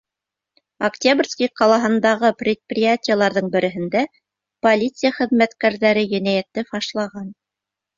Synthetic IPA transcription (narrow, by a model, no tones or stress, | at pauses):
ɐktʲabrʲskʲiqɑlˠɑɦɤ̆nd̪ɑʁɤprʲɪt̪̚prʲɪjatʲijəlˠɑɾðɤɴbɘ̆ɾʔɘ̆ɦɘ̆nd̪æ | polʲit̪sɨjaχɘ̆ðmæt̪kæɾðæɾɘjɵ̆næjæt̪ːɘfɑʃlˠɑʁɑn